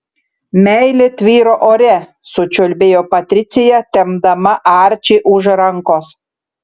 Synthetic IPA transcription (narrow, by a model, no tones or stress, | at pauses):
mʲæjlʲet̪ʲʋʲiːɾoʔoɾʲæ | sʊt͡ʃʲolʲbʲeːjopɐt̪ʲɾʲɪt̪t͡sʲejɛt̪ʲɛmd̪ɐmɐʔɑɾʲt͡ʃʲiʔuʒɾɑŋkos